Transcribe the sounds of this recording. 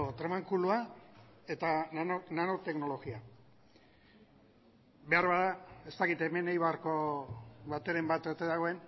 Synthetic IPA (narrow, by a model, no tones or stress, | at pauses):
ot̪ɾemaŋkuluae̞t̪aonanot̪e̞kno̞lo̞ɣia | be̞aɾβaðae̞st̪akit̪e̞me̞najβaɾko̞βat̪e̞ɾe̞mbat̪oɾt̪e̞ðaɣo̞e̞n